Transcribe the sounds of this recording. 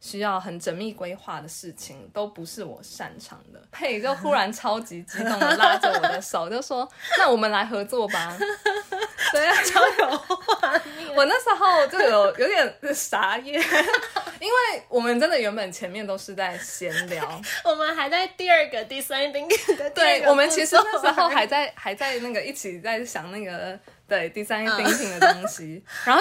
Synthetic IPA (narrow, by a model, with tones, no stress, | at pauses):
ɕy˥jɑ˥˩ʊxə˨˩nʈ͡ʂə˧˥nmi˥˨kwe˥ɪxwa˥˩d̪ə˩ʂɻ̩˥˩t͡ɕʰi˨˩ŋt̪o˥ʊpu˨˦ʂɻ̩˥˩wɔ̰˨˩ʂa̰˥˩nʈ͡ʂʰɑ̰˧˥ŋd̪ə̰˨˦pʰe˥˩ɪt͡ɕjo˥˩ʊxu˥ɻa˧˥nʈ͡ʂʰɑ˥ʊt͡ɕi˧˥t͡ɕi˥ʊ˥˧la˥˧˥ʈ͡ʂə˥˧˩wɔ˨˧˩d̪ə˦ʂo˨˩˦ʊt͡ɕjo˥˩ʊʂwɔ˥nna˥˩wɔ˨˩mə˨˦nla˧˥ɪxɤ˧˥t͡swɔ˥˨ba˨˩ | ə˥˧jɑ˥˩t͡ɕɑ˥ʊjo˨˦˧ | wɔ˨˩na˥˩ʂɻ̩˧˥xo˥˧ʊt͡ɕjo˥˩˥ə˩jo˨˩ʊjo˧˥ʊt̪jɛ˨˩nʂa˧˥jɛ˥˩ | i˥nwe˥˩ɪwɔ˨˩mə˦nʈ͡ʂə˦˥nd̪ə˨˩ɥɛ˧˥npə˨˩nt͡ɕʰjɛ˧˥nmjɛ˥˩nt̪o˥ʊʂɻ̩˥˧t͡sa˥˩ɪɕjɛ˧˥nljɑ˧˥ʊwɔ˨˩mə˨˦nxa˧˥ɪt͡sa˥˧ɪt̪i˥˧ə˞˥˧ɡə˨t̪i˥˩sa˥n˥˩p̪i˥ŋti˥˩ŋd̪ə˨t̪we˥˩ɪwɔ˨˩mə˦nt͡ɕʰi˧˥ʂɻ̩˧˩na˥˩ʂ̩˧˥xo˥˩ʊxa˧˥ɪt͡sa˥˩ɪxa˧˥ɪt͡sa˥˧ɪna˥˩ɡə˩i˥˩t͡ɕʰi˨˩t͡sa˥˩ɪɕjɑ˨˩ŋna˥˩ɡə˩d̪ə˨˩t̪i˥˩sa˥˦n˥˩pi˥ŋt̪i˥˩ŋd̪ə˩t̪o˥ŋɕi˦a˧˥nxo˥˩